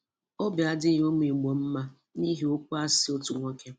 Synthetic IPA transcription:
o˦bɪ˨a˨dɪ˦˨˦o˦m˦i˨ɡ͡bo˨m̩˦ma˦ | ni˦ɦi˨o˦kʷu˦a˦sɪ˨o˦tu˨ŋʷo˦kʰe˦

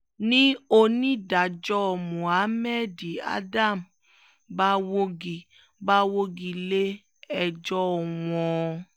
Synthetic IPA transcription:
nĩ˦o˧nĩ˦da˨d͡ʒɔ˦ɔ˨mũ˨a˨˦mɛ˦˨di˨a̰˦da˦˨m | ba˦wo˦ɡi˨ | ba˦wo˦ɡi˧le˦ | ɛ˨d͡ʒɔ˦˨w̃ɔ̃˧

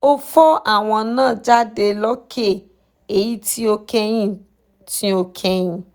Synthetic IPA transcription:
o˦fɔ˦ʔa˦˨w̃ɔ̃˧nãː˦˨d͡ʒa˦de˧lɔ˦kʰe˦˨ | e˨ji˨˦ti˦o˧kɛ˧j̃ĩ˦˨ | ti˨˦o˧kʰɛ˧j̃ĩ˨

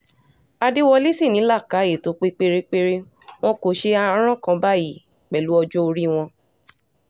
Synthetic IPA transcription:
a˧de˦wɔ˧li˦si˦˨nĩ˨˦la˦˨ka˨˦e˨to˨˦k͡pe˦k͡pe˧ɾe˦k͡pe˦ɾe˦ | w̃ɔ̃˦ko˨ʃe˧a˧˦ɾ̃ã˦kã˧˦ba˦ji˦˨ | k͡pɛ˨lu˨˦ɔ˧d͡ʒo˦o˧ɾi˦w̃ɔ̃˧

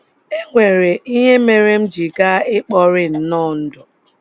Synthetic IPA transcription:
e˦ŋʷe˨ɾe˨ʔi˦ɲe˦me˨ɾe˦m̩˦d͡ʒi˨ɡa˦ɪ˦k͡pɔ˦ɾɪ˦n̩˦nɔ˦˨n̩˦dʊ˨

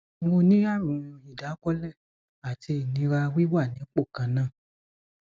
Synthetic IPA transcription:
o˧nĩ˦a˦˨ɾũ˨˧i˨da˨˦kɔ˦lɛ˦˨ | a˨tʰi˧˨nĩ˨˧˦ɾa˧wi˦wa˦˨nĩ˨˦k͡po˦˨kã˨˧nã˦˨

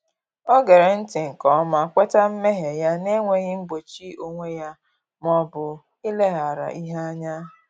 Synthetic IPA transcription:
o˦ɡe˨ɾe˨n̩˦tɪ˨ŋ̩˨kɔ˦ma˨kʷe˦ta˦m̩˦me˦ɦe˨ja˦ne˦ŋʷe˦ɣɪ˦m̩˦ɡ͡bo˨t͡ʃi˦o˦ŋʷe˦ja˦ | mɔ˦bʊ˨ | ɪ˦le˦ɦa˨ɾa̰˨ʔi˦ɦe˦a˦ɲa˦

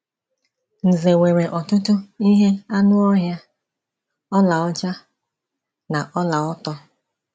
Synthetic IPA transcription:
n̩˨ze˨we˨ɾe˨ʔɔ˨tʊ˦tʊ˦i˦ɦe˦a˦nʊ˦ɔ˦ɦja˦ | ɔ˦la˨ɔ˦t͡ʃa˦ | na˨ʔɔ˦la˨ɔ˦tɔ˦

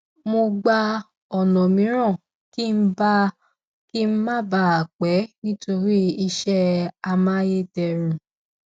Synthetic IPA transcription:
mo˧ɡ͡ba˧ | ɔ˨nɔ̃˨mĩ˨˦ɾ̃ã˦˨ | ki˦m̩˦ba˦ | ki˦m̩˦mã˦ba˧˨a˨k͡pɛ˨˦nĩ˦to˧ɾi˦i˧ʃɛ˦a˧mã˦je˦tɛ˧ɾ̃ũ˨

